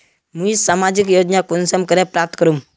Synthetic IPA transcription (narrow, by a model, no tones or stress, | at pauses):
muisamad͡ʒikjod͡ʒnakunsəmkəɾepɾap̚t̪ʰkəɾum